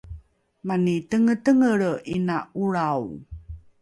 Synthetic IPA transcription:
manitəŋətəŋəɾinauɾaw

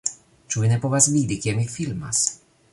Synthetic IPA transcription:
t͡ʂuinɛpɔvasvʲid̪ikʲiɛmʲifʲilma̰s

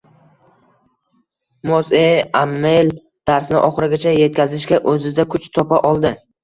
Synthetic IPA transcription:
mozeamːel | d̪̥aɾsɪnɪʔɒχɨɾɪɡʲat͡ʃʰaje̞t̪̚kʲʰazɪʃkʲaʔɵzɪd̪akʰʊt͡ʃt̪ʰɒpʰaʔɒlˠd̪ɪ

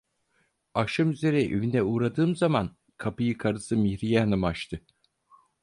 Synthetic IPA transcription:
aʃɯmyze̞ɾɛʔøvinɛuːɾad̪ɯːmzaman | kʰapɯjɯkʰaɾɯsɯmiçɾijɛanɯmaʃt̪ʰɯ

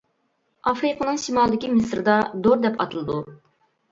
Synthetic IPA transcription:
ɑfɾɨqənɨŋʃimɑlˠd̪ɪkʲimɪsɾɨd̪ɑd̪oɾd̪ɛpɑ̰t̪ʰɨlˠɨd̪u

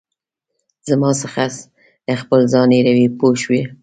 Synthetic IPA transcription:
zamɑsəxas | əxpəlzɑneɾawipoʃwi

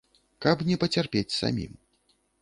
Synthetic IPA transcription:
kɐpnʲɛpɐt͡sʲarpʲet͡sʲsa̰mʲḭm

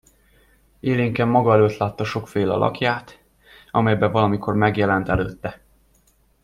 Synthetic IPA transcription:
eːleːŋkɛmːɒɡɒɛløːt̪laːt̪ːɒʃo̞kfeːlɒ̰lʔɒ̰kjaːt̪ | ɒ̰mɛjbɛvɒlɒmikʰo̞rmɛɡjɛlɛnt̪ɛløːt̪ːɛ

